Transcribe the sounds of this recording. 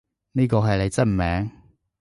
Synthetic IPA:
niː˥kɔː˧ɦɐ˨jle˨˧jt͡sɐ˥t̚m̩˨mɛː˨˥ŋ

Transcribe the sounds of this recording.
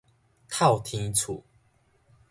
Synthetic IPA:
t̪ʰa˥˨wt̪ʰi˧ŋt͡sʰṵ˨˩

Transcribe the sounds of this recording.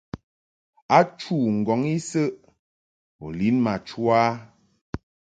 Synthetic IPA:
a˦t͡ʃu˦˨ŋ̩˨ɡɔ˨˦ŋi˦sə˦ʔ | o̰˨li˨˦nma˨t͡ʃu˦a˦

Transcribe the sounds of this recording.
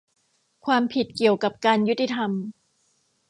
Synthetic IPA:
kʰwaː˧mpʰi˨˩t̪̚ki˨˩əwka˨˩p̚kaː˧nju˦˥t̪ːi˧˩t̪ʰa˧m

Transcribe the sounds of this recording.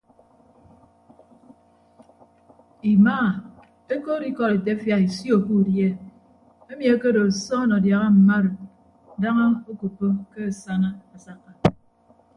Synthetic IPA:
i˨maː˦˨ | e˦ko˦ɾi˦kɔ˦˨ɾe˨te˦fja˨i˨sjo˨ku˦˨dje˦ | e˦mi˨e˦ke˦ɾo˨sɔ˦nɔ˨dja˨ɣa˦m̩˨ma˦ɾo˨ | da˦ŋa˦o˦ku˨pːo˦ke˦a˨sa˦na˦a˨sa˦kːa˨

